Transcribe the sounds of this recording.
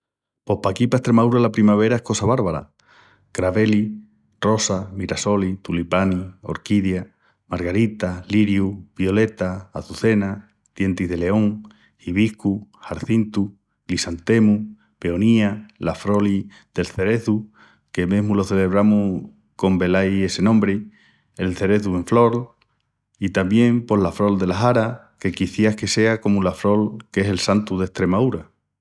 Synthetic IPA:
po̞hpakipaest̪ɾe̞maðuɾalapɾimaβ̞e̞ɾaehko̞saβaɾβaɾa̰ | kɾaβe̞li | ro̞samiɾaso̞lit̪ulipanio̞̰ɾkiðja | maɾɣaɾit̪aliɾjuβjo̞le̞t̪aːθuθe̞na | ð̥je̞nt̪iɦðe̞le̞o̞ŋ | hiβ̞ihkuhaɾθint̪u | lisant̪e̞mu | pe̞o̞nialafɾo̞li | ð̥e̞lθe̞ɾe̞θu | ke̞me̞ɦmulo̞θe̞le̞βɾamu | ko̞mbe̞laje̞se̞nõmbɾe | elθe̞ɾe̞θue̞ɱflo̞l | it̪ambjẽ̞mpo̞lafɾo̞ld̪e̞laɦaɾa | ke̞kiθjahke̞se̞ako̞mulafɾo̞lke̞se̞lsant̪uðeht̪ɾe̞mauɾa

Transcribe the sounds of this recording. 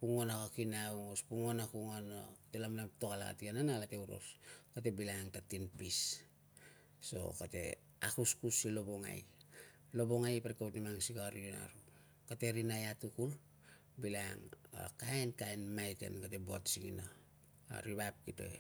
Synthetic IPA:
puŋonakakinauŋospuŋonakuŋanokatelamlamtokala̰ka̰tiananaalate̞uɾo̞̰skate̞bilaŋtatinpis | so̞̰kate̞̰ | akuskusilo̞bo̞ŋa̰j | lo̞bo̞ŋajpaɾikawtnimaŋsikaaɾiona̰ɾu | kate̞ɾinajatukul | bilaŋa̰kaenkaenmajtḛnkate̞boa̰tsiɡina̰ | ɾiβap̚kito̞̰

